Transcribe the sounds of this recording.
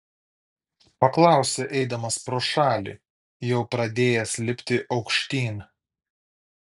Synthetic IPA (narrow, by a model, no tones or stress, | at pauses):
pɐklˠɑˑʊsʲɛʔɛɪd̪ɐmɐspɾoːʃɑːlʲḭːˑ | jɛʊpɾɐd̪ʲeːjɛsʲlʲɪpʲt̪ʲɪʔɒʊkʃʲt̪ʲiːn